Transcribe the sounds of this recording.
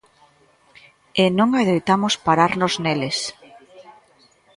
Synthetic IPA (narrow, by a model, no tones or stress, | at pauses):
enõŋaðejt̪amospaɾaɾnozneles